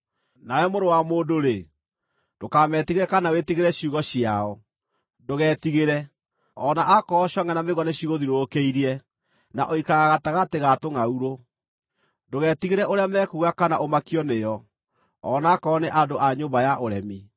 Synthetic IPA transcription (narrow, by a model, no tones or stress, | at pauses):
nawɛmoɾowamoːndoɾe | d̥okamɛtiɣeɾɛkanawetiɣeɾɛɕuɣɔɕiaɔ | doɣɛːtiɣeɾɛ | ɔnaʔakɔɕɔŋɛnameɣɔneɕiɣoðiɾokeiɾiɛ | na̰ʔɔikaɣaɣataɣateɣatoŋauɾo | doɣɛtiɣeɾɛʔoɾeamɛkuɣakanaʔomakiɔnejɔ | ɔnaːkɔːneʔadoʔaɲoːmbajaʔoɾɛmi